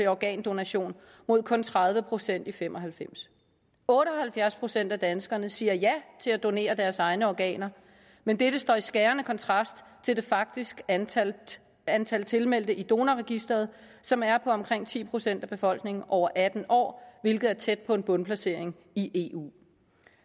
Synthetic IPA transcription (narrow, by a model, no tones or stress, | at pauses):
e̝ɒɡ̥ɛ̰ːnd̥o̝næɕo̝̰ːn | mo̝ð̞̰ˠkʰɔ̽nt͡sʰʁɑ̈ð̞ˠʋəpʰʁo̝sen̰d̥ifemʔɒ̽ɦælfem̰s | ɔ̽ːdɾəɒhælfjæɐspʰʁo̝sen̰d̥æd̥ænsɡ̥ɐnəsiːɐjæt͡sʰe̝læd̥o̝ne̝̰ːɐd̥æɐsɑ̈ɪnəɒɡ̥ɛ̰ːnɐ | mend̥eɾ̥əsd̥ɒ̰ːisɡ̥æːɐnəkʰɒ̽nt͡sʰʁɑ̈sd̥t͡sʰe̝ld̥e̝fɑ̈ɡ̥̚d̥isɡ̥ | ænt͡sʰælt͡sʰe̝lmel̰d̥əʔid̥o̝ːnæʁɛɡ̥isd̥ʁɐð̞̩ˠ | sɒ̽mæɐpʰɒ̽ɒ̽mkʰʁeŋ̰t͡sʰḭːpʰʁo̝sen̰d̥æb̥e̝fɒ̽l̰ɡ̥ne̝ŋn̩ʔɒʊ̰ɐʔæd̥n̩ʔɒ̰ːʋe̝lɡ̥ð̩ˠæɐt͡sʰed̥̚pʰɒ̽e̝nb̥ɔ̽npʰlæse̝ɐ̰e̝ŋ | iʔe̝ṵː